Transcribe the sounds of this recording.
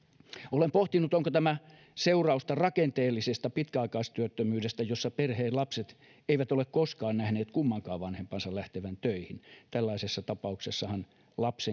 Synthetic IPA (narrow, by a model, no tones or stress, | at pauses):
olempoht̪inːut̪oŋkot̪æmæ | seurɑust̪ɑrɑkent̪eːlːisest̪ɑpit̪kæɑikɑist̪yøt̪ːømyːdest̪æjosːɑperheːllɑpset̪ | eiʋæt̪olekkoskɑːnnæhneːt̪kumːɑŋkɑːʋʋɑnhempɑnsɑllæht̪eʋænt̪øihint̪ælːɑisesːɑt̪ɑpɑuksesːɑhɑn | lɑpse